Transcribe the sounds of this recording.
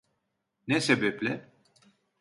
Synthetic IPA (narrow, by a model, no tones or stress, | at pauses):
nɛsebɛplʲɪ